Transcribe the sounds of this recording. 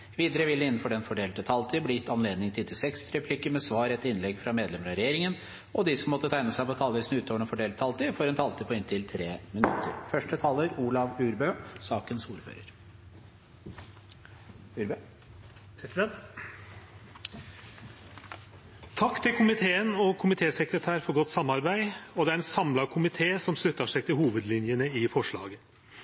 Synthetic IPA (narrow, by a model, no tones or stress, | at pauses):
ʋiːd̪əɾəʋɪləɪnːn̩fɔɖɛnfɔɖeːlt̪ət̪ʰɑlt̪ʰiːblɪɪt̪ːɑnleːd̪nɪŋt̪ʰɪlt̪ʰɪsɛksɾɛpʰlɪkəmɛsʋɑːɾɛt̪ːɪnlɛɡfɾɑmeːd̪lɛməɾɑɾɛjeːɾɪŋən | ɔd̪ɪsɔmːɔt̪ːət̪ʰæɪnəsæɪpɔt̪ʰɑːlʋiːsn̩ʉːt̪ʰoːʋəɳɛnfɔɖeːlt̪ʰɑlt̪ɪfɔɾɛnt̪ʰɑlt̪ʰɪpʰɔɪnt̪ʰɪlt̪ʰɾeːmɪnʉ̰t̪ːə̰ɾfœʂʈət̪ʰɑːləɾuːlɑʋʉːɾbøːsɑːkənsuːɾfø̰ːɾə̰ɾ | ʉɾ | p̪ʰɛnt̪ | t̪ʰɑkːt̪ʰɪlkʰʊmɪt̪ʰeːənɔkʰʊmɪt̪ʰeːsəkɾət̪ʰæːɾfɔɾɡɔt̪ːsɑmːɑɾbæɪɔd̪ɛæɾɛnsɑmlɑkʰʊmɪt̪ʰeːsɔmslʉt̪ːɑʂæɪt̪ɪlhuːʋəd̪lɪnjənəɪfɔʂɭɑ̰ːɡə